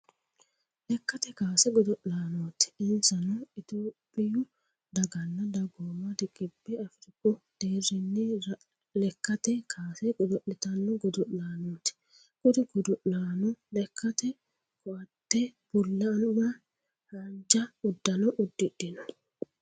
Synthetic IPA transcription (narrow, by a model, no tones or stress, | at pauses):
lɛkːɐt̪ɛkaːsɛɡɔd̪ɔʔlaːnoːt̪ɪ̥ɪnsɐnɔɪt̪oːpʼːɪjʊ | d̪ɐɡɐnːɐd̪ɐɡoːmɐd̪ɪkʼːɪbːɛɐfɪɾɪkʼːɔd̪̥eːɾɪnːɪ | lɛkːɐt̪ɛkʰaːsɛɡɔd̪ɔʔːɪt̪ɐnːɔɡɔd̪ʊʔlaːnoːt̪ɪ̥ | kʼʊd̪ɪɡɔd̪ʊʔlaːnɔlɛkʰːɐt̪ɛ | kʰɔʔɐt̪ːɛb̥ʊlːɐnmɐ | hɐnd͡ʒɐʊd̪ːɐnɔʔʊd̪ːɪdɪnɔ